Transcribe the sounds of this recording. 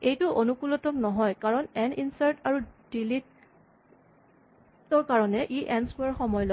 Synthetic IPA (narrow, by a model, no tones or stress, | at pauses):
ejtʊʔonukulɔtɔmnɔɦɔjkaɹɔnɛninsaɹtaɹud̥ilit̚ | tɔɹkaɹɔnɛʔiʔɛnsuaɹxɔmɔjɔlɔ